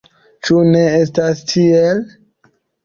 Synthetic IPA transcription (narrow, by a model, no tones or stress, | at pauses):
t͡ʃune̞estastʰiel